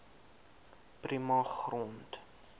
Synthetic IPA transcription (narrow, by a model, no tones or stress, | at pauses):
primɑχrɔnt